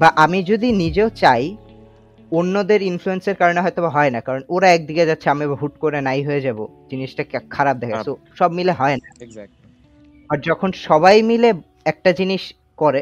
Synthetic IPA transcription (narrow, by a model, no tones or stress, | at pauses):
baʔamid͡ʑod̪inid͡ʑeot͡ɕaj | onːod̪eɾinfluenseɾkaɾoneɦɔet̪obaɦɔenakaɾonoɾaɛk̚d̪iked͡ʑatːɕʰeamibɦuʈkoɾenajɦoed͡ʑabod͡ʑiniʃʈakkʰaɾab̚d̪ekʰassoʃɔbmileɦɔena | aɾd͡ʑɔkʰonʃɔbajmile | ɛk̚ʈad͡ʑiniʃ | koɾe